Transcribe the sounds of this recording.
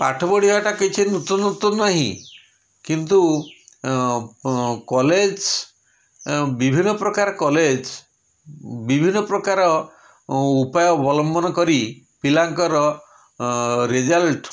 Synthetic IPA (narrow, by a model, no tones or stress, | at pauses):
pa̰ʈʰɔbɔɽikaʈaket͡ʃʰinut̪unut̪unːaɦḭ̃ | kint̪u | kɔled͡ʒ | bibʱinːɔpɾɔkaɾɔkɔled͡ʒ | bibʱinːɔpɾɔkaɾɔ | upajɔɔbɔlɔmbɔnɔkɔɾi | pilaŋkɔɾɔ | ɾed͡ʒalʈ